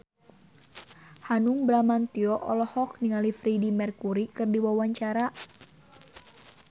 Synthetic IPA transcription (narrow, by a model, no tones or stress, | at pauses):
hanuŋbɾamant̪iɔʔɔlɔhɔk̚niŋalifɾɛdimɛrkuɾikɨrdiwawaɲt͡ʃaɾa